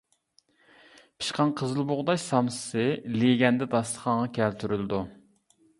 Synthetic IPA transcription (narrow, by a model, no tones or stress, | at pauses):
pʰi̥ʃqʰɑnqʰəzɨlˠboʁd̪ɑʃsɑmsɨ̥sɨleɡʲɛnd̪ɛd̪ɑslˠəχɑɴʁɑkʲʰɛlt̪ʰyɾyld̪u